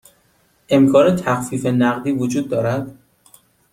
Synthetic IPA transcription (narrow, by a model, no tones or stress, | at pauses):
ʔe̞mkʰɒːnet̪ʰæxfiːfenæɣd̪iːvod͡ʒuːd̪̚ːɒːɾæd̪̥